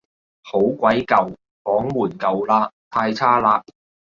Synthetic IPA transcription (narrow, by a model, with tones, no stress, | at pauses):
ho˨˥wkʷɐ˨˥jkɐ˨w | fɔː˨˥ŋmuː˨˩nkɐ˨wlaː˧˥t̪ʰaː˧jt͡sʰaː˥laː˧